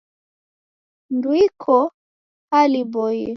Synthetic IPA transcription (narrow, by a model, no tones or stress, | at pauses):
ndwikʰɔ | alibɔjɛ